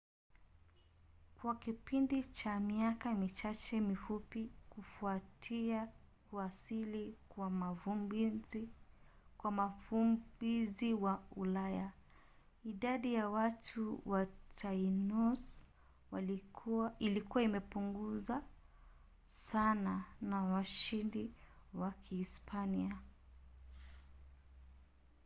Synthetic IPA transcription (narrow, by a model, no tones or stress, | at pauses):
kwakipindit͡ʃamiakamit͡ʃat͡ʃɛmifupikufuatʰiakuasilikwamavu | kwamafubiziwaulaja | iɗaɗijawatʰuwatʰainus | wa | ilikuwaimɛpuŋɡuza | sananawaʃindiwakʰiːspʰania